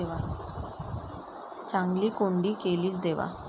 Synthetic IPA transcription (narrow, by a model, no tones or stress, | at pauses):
eʋa | t͡ɕãŋɡliːkoɳɖiːkeliːt͡sd̪eʋa̰